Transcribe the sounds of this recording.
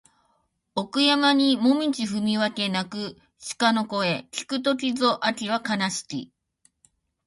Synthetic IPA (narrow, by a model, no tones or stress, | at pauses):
o̞kɯ̟jamaɲ̟imo̞mʲit͡ɕiɸɯ̟mʲiβake̞nakɯ̟ | ɕi̥kano̞ko̞e̞kʲi̥kɯ̟t̪̬o̞kʲizo̞ʔakʲiβakanaɕi̥kʲḭ